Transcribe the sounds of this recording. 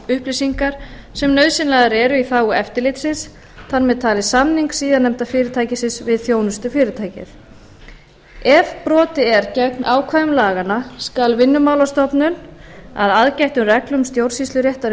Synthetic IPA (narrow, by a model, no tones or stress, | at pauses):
ʏhplisiŋkaɾ̥sɛmnœɥðsɪnlɛɣaɾɛːɾʏiθaːwʏɛft̪ɪɾlɪt̪sɪns | θanmɛðt̪ʰaːlɪsamniŋksiːðanːɛmt̪afɪːɾɪt̪ʰaːjcɪsɪnsvɪðθjoːwnʏst̪ʏfɪːɾɪt̪ʰaːjcɪ̰θ | ɛvpɾɔːt̪ɪɛɾcɛknʔaːwkʰvaːjʏmlaːɣanaskalvɪnːʏmaːwlast̪ɔpnʏna̰ðaðcajht̪ʏmrɛklʏmst̪jowɾ̥sislʏɾjeht̪aɾ